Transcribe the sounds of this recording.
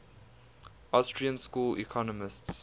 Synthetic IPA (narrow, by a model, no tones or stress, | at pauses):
astʰɹiə̃nskuːlʔḭkʰɔnəmɪsts